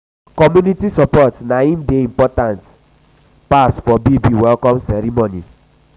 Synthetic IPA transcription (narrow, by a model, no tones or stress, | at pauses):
kɔmjunitisɔpɔtnaimdeim̩pɔtant | pasfɔbibiwɛlkɔmsɛɾimoni